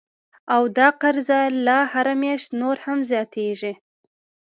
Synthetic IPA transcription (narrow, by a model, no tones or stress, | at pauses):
awd̪ɑqaɾzalahaɾamjɑʃt̪noɾhamzjɑt̪ʰeʐi